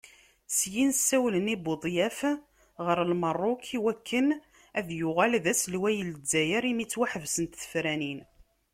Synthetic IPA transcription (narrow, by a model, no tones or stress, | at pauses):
sjinsːæwlənibod̪ˤjæf | ʁəɾəlmərˤːokʰiwækʰːən | æðjʊʁælðæslwæjəld͡zːæjəɾimit͡sːwæħəvsənt̪θə̥fɾænin